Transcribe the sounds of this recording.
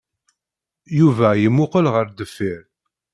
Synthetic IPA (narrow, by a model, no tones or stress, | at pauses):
juvæjəmːʊqəlʁəɾd̪əfːiɾ